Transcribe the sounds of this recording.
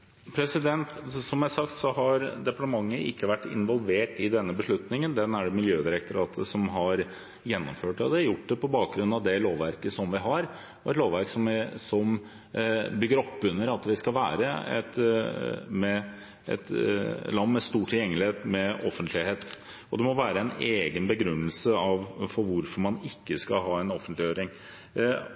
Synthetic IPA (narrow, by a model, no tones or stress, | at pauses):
pʰɾɛsɪd̪ɛnt̪sɔmjæsɑk̚t̪sɔhɑɾd̪ɛpɑʈəmɑŋːəʔɪ̰kːəʋæʈːɪ̰nʋɔlʋeːʈɪd̪ɛnːəbəʂɭʉt̪nɪŋənd̪ɛnæɖɛmɪljøːd̪ɪɾɛkt̪ʊɾɑːt̪ʰəsɔmɦɑɾ | jɛnːɔ̰mføːʈːɔ̰d̪ɛjʊʈːd̪ɛpɔbɑːk̚ɡɾʉnːɑʋd̪ɛloːʋʋæɾkəsɔmʋɪɦɑɾ | ɔɛt̪loːʋæɾksɔmsɔm | bʏɡːəɾɔpːʉnːəɾɑt̪ʋɪskɑʋæ̰ːɾəɛ̰t̪ | mɛ | ɛ̰t̪lɑnːmɛst̪uːʈʰːɪljɛŋːəlɪheːt̪mɛɔfːənt̪ʰlɪheːt̪ | ɔd̪ɛmɔʋæːɾəɛneːɡənbəɡɾʉnːəlsəɑʋfɔɾʋʊɾfɔɾmɑnɪkːəskɑlɦɑːɛnɔfənt̪lɪøːɾɪŋ